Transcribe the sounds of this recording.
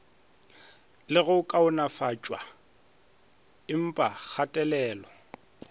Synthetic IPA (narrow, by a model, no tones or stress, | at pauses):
lɪɣʊkʼaʊnafat͡ʃʼwa | ɪm̩pʼak͡xʰatʼɛlɛːlɔ